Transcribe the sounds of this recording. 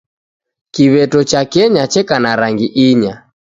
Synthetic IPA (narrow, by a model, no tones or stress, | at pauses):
kiβɛtɔt͡ʃakɛɲat͡ʃɛkanaɾaŋɡiʔiɲa